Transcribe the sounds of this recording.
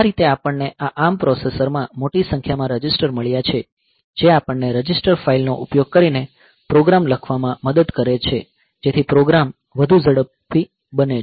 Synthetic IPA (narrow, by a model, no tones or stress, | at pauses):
aɾit̪eapəɳːeʔaʔampɾɔsesəɾmãmoʈisə̃ŋkʰjamãɾəd͡ʒɪsʈəɾməɭjat͡ʃʰe | d͡ʒeapəɳːeɾəd͡ʒisʈəɾfailno̰ʔupjoɡ̚kəɾine | pɾoɡɾamləkʰʋamãməd̪əd̪kəɾet͡ʃʰe | d͡ʒet̪ʰipɾoɡɾam | ʋəd̪ʱud͡ʒəɽəpː | i | bəne